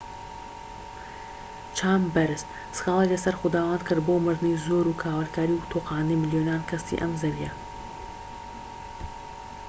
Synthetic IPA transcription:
t͡ʃʰaːmbɐɾɨst̪ | sɨ̥xɑːlˠeklɐsɐɾxʊd̪aːwaːnkʰɨɾd̪̚boːmɨɾd̪ɨnijzoːɾukʰaːwɐɾkʰaːɾiwt̪ʰoːqɑːnijmɪljonaːnkʰɐsḭʔɐ̰mzɐɾijɐ

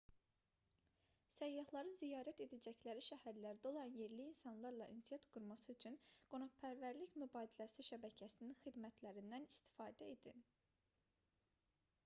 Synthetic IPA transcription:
sæjːɑhlˠɑɾɯnzijɑːɾæt̪e̞d̪æd͡ʒæçlæɾiʃæhæɾlæɾd̪æo̞lˠɑnje̞ɾliːnsɑnlˠɑɾlˠɑʔinsijɑt̪ɡ̥uɾmɑsɯyt͡ʃʰynɡ̥o̞noʁpʰæɾvæɾliçmybɑːd̪ilæsiʃæbæcʰæsininxid̪mæt̪ʰlæɾind̪ænist̪i̥fɑːd̪æed̪in

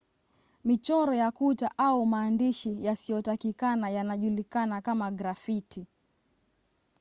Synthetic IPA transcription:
mit͡ʃɔɾɔjakutaʔaumaːndiʃijasijɔtakikanajanaʄulikanakamaɡɾafiti

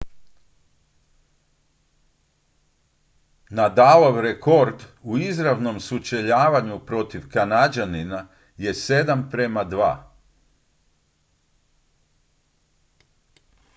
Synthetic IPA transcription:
nad̪aloʋɾeko̞ɾd̪uizɾaʋno̞msut͡ʃeʎaːʋaɲupɾo̞t̪iʋkanad͡ʒanina | je̞se̞d̪ampɾemad̪ʋa̰ː

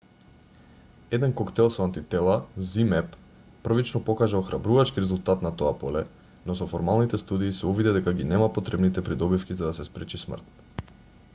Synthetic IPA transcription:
ɛd̪ɛnkɔkt̪ɛlˠsɔant̪it̪ɛlˠazimɛpː | r̩vit͡ʃnɔpɔkaʒaxɾabɾuvat͡ʃkiɾɛzulˠt̪at̪nat̪ɔapɔlɛ | nɔsɔfɔɾmalˠnit̪ɛst̪ud̪iːsɛuvid̪ɛd̪ɛkaɡinɛmapɔt̪ɾɛbnit̪ɛpɾid̪ɔbifkʲizad̪asɛspɾɛt͡ʃismr̩t̪̚

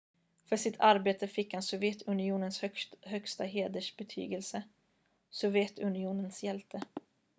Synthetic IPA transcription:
fœʂɪt̪ʰaɾbeːt̪əfɪkːhansʊvjɛt̪ʰɵnɪuːnənshhœkst̪aɦeːd̪əʂbɛt̪ʰy̰ːɡəlsə | sʊvjɛt̪ʰɵnɪuːnənsjɛlt̪ʰə

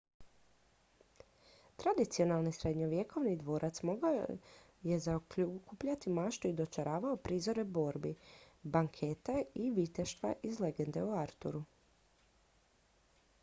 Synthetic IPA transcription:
t̪ɾad̪it̪sio̞nalˠnisɾe̞d̪ɲoʋje̞kʰo̞ʋnid̪ʋo̞ːɾʔat̪smoɡa | jezakukupʎat̪imaʃt̪uid̪o̞t͡ʃaɾʔaːʋaopɾiːzo̞ɾebo̞ɾbibaŋkʰe̞t̪aiʋit̪eʃt̪ʋa̰ʔizle̞ɡe̞nd̪e̞uaɾt̪ṵɾu

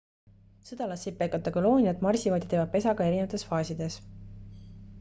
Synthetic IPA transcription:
sɯd̪̥ɑlɑsːip̚pːejkːˑɑt̪ːˑɑkɑlo̞ːnʲijɑt̪mɑrsivɑd̪jɑt̪eːvɑd̪̚pe̞sɑɡ̥ɑe̞ɾine̞vɑt̪ˑe̞sfɑːsid̪e̞s

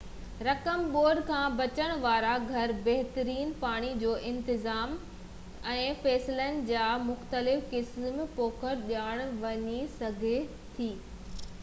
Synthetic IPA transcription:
ɾɐkəmboːɖkʰãːbɐt͡ɕəɽ̃ʋaːɾaɡʱɐɾbɐɦt̪əɾiːnpaːɽ̃id͡ʑoːʔɪ̃nt̪ɪzaːm | ɛ̃ːfɛːsɪlənɪ̆d͡ʑaːmʊxt̪əlɪfkɪsmpoːkʰəɾɗjaːɽ̃ʋɐɲisɐɡʱe | t̪ʰiː

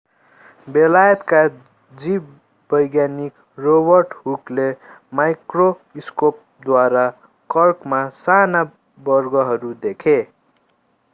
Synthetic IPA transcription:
belajʌt̪ka | d͡zib | bʌjɡjanik | robʌrʈɦukle | majkro | iskop̚ | d̪waɾa | kʌrkmasana | bʌrɡʌɦʌɾud̪ekʰe

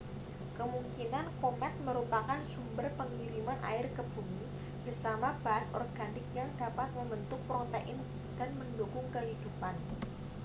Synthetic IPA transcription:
kəmuŋkinankomɛt̪̚məɾupakansumbərpəŋiɾimanʔa̰ɪrkəb̥umi | b̥ərsamab̥aːt̪ɔ̰rɡ̥anɪkjaŋdapat̪̚məmbənt̪ʊpɾot̪eʔɪn | d̥anməndukʊŋkəɦid̥upan

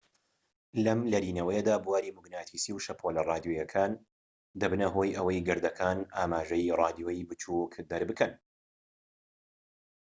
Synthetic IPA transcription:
lɐmlɐɾiːnɐwɐjɐd̪aːbuwaːɾiːmuɡnaːt̪ʰisiːwʃɐpʰoːlɐrˤɑːd̪ijojɐkʰaːn | d̪ɐbɨnɐɦo̞ːjʔɐwɐjɡɨɾd̪ɐkʰaːnʔaːmaːʒɐjrˤɑːd̪ijojbɨt͡ʃʰukd̪ɐɾbɨkʰɐn

